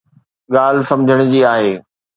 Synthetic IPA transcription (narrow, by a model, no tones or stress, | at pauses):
ɠaːl̤sɐ̃md͡ʑʱəɽ̃ʊd͡ʑiːaːɦeː